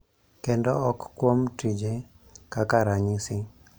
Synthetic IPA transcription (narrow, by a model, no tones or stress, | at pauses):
kɛndɔɔkːwomtid͡ʒe | kakaɾaɲɪsɪ